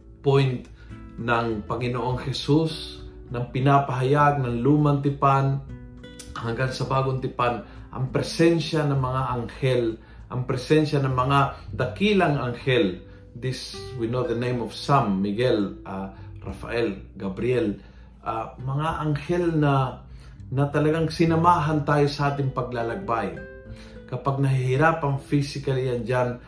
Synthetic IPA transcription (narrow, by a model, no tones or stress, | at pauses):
pojnt̪ | nɐŋpɐŋɪnoʔoŋhɛsus | nɐŋpɪnapɐɦajaɡ̚nɐŋluːmaŋt̪ɪpan | hɐŋɡansɐbaːɡoŋt̪ɪpan | ʔɐ̰ŋpɾɛsɛnʃanɐŋmɐŋaʔaŋhɛl | ʔɐ̰ŋpɾɛsɛnʃɐnɐŋmɐŋad̪ɐkilɐŋaŋhɛl | d̪ɪswinoðɐnejmɔfsamːɪɡɛlʔaɾafɐ̰ʔɛlɡɐbɾɪɛl | ʔamɐŋaʔɐŋhɛlnɐ | nɐt̪ɐlɐɡaŋsɪnɐmaːɦant̪aːjosɐʔaːt̪ɪŋpɐɡ̚lalɐɡ̚baj | kɐpaɡ̚nɐɦihɪɾapɐŋfisɪkɐlɪjand͡ʒan